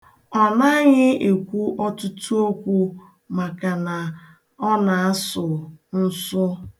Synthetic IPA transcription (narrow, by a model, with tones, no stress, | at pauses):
ɔ˨na˦ɲɪ˦e˨kʷu˦ʔɔ˦tʊ˦tu˦o˦kʷu˦ | ma˨ka˨na˨ | ɔ˦na˨a˦sʊ˨n̩˦sʊ˦